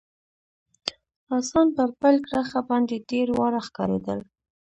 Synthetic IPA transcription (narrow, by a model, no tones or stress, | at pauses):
ɑsɑnpəɾpəlɡɾaxabɑnd̪eɖeɾwɑɾaxkɑ̰ɾod̪əl